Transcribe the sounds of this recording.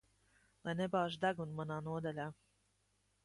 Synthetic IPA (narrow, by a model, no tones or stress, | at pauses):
lajnebaːʒd̪aɡunmanaːnuɔd̪ɛlʲaː